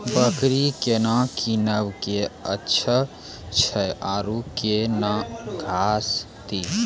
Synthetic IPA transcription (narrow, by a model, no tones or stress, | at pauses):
bəkɾikenãkinəbkeə̰tːʃʰə | t͡ʃʰəʔaɾukenãɡʱas | t̪i